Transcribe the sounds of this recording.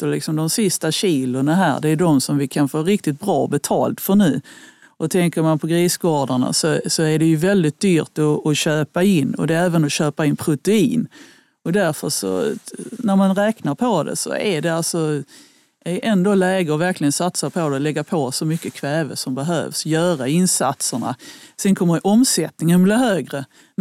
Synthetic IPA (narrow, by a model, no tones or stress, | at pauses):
t̪əlɪksɔmd̪ɔmsɪst̪aɕiːlʊɳaɦæ̰ːɾɖɛːjd̪ɔmsɔmvɪkʰanfoːɾɪk̚t̪ɪt̪̚bɾɑːbɛt̪ʰɑ̰ːlt̪fœɳʉ̟ː | ʔɔt̪ʰɛŋkəɾmanpʰɔɡɾiːsɡɑːɖəɳa̰sɔsɔæɖɛjɵvɛld̪ɪt̪̚d̪yːɾt̪ɔːɕøːpaɪnːɔ̰d̪ɛæːvənɔɕøːpaɪnpʰɾʊt̪ɛiːn | ɔd̪æɾfəɾʂɔ̰næɾmanɾɛːknaɾpʰɔd̪ɛ̰sɔ̰æɖɛalsɔ | æʔɛnd̪oːlɛːɡəɔvæɾklɪɡənsat̪sapʰɔd̪ɛlɛɡːapʰosɔmʏkːəkʰvɛːvə̰sɔmbɛɦø̰ːvsjœːɾaɪnsa̰t̪səɳa̰sɛnkʰɔmːədɛʔɔmsɛt̪nɪŋənbliːɦøːɡɾə